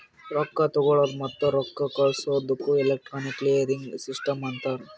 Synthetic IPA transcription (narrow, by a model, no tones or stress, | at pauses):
ɾɔkːɐt̪ɔɡoɭoɾmɐt̪ːoɾɔkːɐkɐɭsoːd̪ukːuelek̚ʈɾaːnikːleɾiŋɡsisʈɐmɐnt̪aːɾu